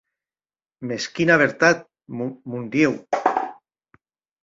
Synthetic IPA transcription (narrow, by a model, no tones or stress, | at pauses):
meskinaβ̞eɾt̪at̪̚ | mmund̪jew